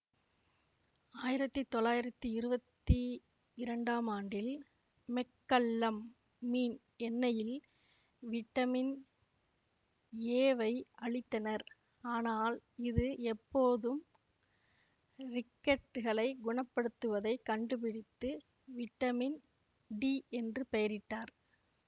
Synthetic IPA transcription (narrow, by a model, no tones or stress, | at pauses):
aːjɪɾɐt̪ːɯt̪ːɔlːaːjɪɾɐt̪ːɯɪɾɯbɐt̪ːi | ɪɾɐɳɖaːmaːɳɖɪl | mɛkːɐlːɐmː | iːn | ɛnːɐjɪl | ʋɪʈːɐmɪn | eːʋɐɪɐɭɪt̪ːɐnɐɾ | aːnaːlɪðɯɛpːoːðɯm | rɪkːɐʈːɯɣɐɭɐɪɡʊɳɐpːɐɽɯt̪ːɯʋɐðɐɪkːɐɳɖɯpɪɽɪt̪ːɯ | ʋɪʈːɐmɪn | ɖiːɛndrɯpɛjɐɾɪʈːaːɾ